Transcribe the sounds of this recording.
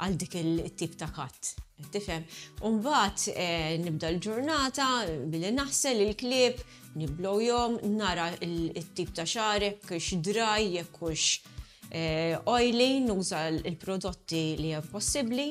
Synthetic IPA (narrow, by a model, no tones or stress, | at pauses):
ɐld̪iːkɪɪt̪ːiːpt̪ɐkɐt̪ːɛt̪ːɪfɛmːumbɐːt̪ɛnɪb̚d̪ɐɪld͡ʒʊɾnɐːt̪ɐbɪlːinɐħsɛlɪlklɪːp | nɪblɔwjɔmnɐːɾɐɪlɪt̪ːiːp̚t̪ɐʃɐːɾɛkːuʃd̪ɾɐjːɛkːʊʃ | ɛɔjlinuːzɐɪlpɾɔd̪ɔt̪ːiliɛmpɔsːɪbli